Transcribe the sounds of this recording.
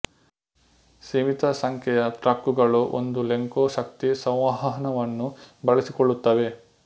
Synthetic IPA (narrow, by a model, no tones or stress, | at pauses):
seːmit̪ɐsɐŋkʰjɛjɐt̪ɾɐkːuɡɐɭuʔo̰nd̪uleŋkoːʃɐkt̪isɐ̃w̃ʋɐɦɐɦɐnɐʋɐnːubɐɭisikoɭːut̪ːɐʋe̞